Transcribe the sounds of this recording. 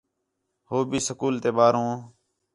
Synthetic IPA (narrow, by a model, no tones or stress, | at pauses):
hoːbiːsəkuːlt̪eːɓaːɾõː